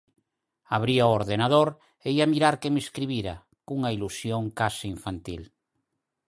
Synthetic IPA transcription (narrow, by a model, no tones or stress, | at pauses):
aβ̞ɾiaooɾðenað̞oɾ | eiamiɾaɾkemeskɾiβiɾa̰ | kuŋailusjoŋkasiiɱfant̪il